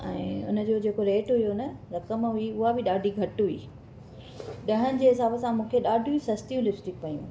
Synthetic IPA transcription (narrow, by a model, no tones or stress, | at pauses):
ɛ̃ːʊ̰nə̆d͡ʑoːd͡ʑeːkoleːʈɦʊjonɐɾɐkəmɦʊiʊɦabɪɗaːɖʱiɡʱɐʈɦʊḭː | ɗɐɦənɪ̆d͡ʑeːɦɪsaːbəsãmũːkʰeɗaːɖʱijũsɐst̪ijũlɪfst̪ɪkpɐjṵ̃